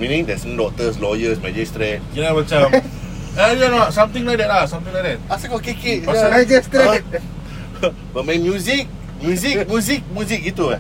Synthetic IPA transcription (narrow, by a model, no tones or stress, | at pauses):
mĩnĩŋdɛsndɔk̚t̪əslɔjəsmad͡ʒist̪ɾet̚kilamat͡ʃam | alanɔtsãmt̪ĩŋlajk̚dɛt̚asãmt̪ĩŋlajk̚dɛt̚asakɔkekeʔmɛd͡ʒəskɾet̚ | bət̚mɛ̃nmjuzik̚ | mjuzikmjuzik̚mjuzik̚it̪ua